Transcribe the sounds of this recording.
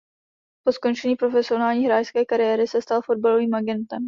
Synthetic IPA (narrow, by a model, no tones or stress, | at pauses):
po̞sko̞nʃɛɲiːpɾo̞fɛsɪo̞naːlɲiːɦɾaːjskɛːkaɾɪjɛɾɪsɛst̪alfo̞d̚balo̞viːmʔaɡɛnt̪ɛm